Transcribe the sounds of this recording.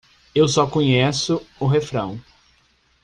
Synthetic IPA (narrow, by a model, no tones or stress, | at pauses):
ewsɔkõɲesʊʊɦefɾɐ̰̃w̃